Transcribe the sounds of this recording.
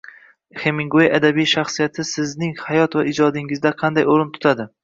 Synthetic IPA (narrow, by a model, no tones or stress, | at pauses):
hemɪŋɡoeʔad̪abijʃaχsijat̪ʰɪsɪznɪŋhajɒt̪vaʔɪd͡ʒɒd̪ɪŋɪzd̪aqʰɑnd̪ajoɾɪnt̪ʰʊ̥t̪ʰad̪ɪ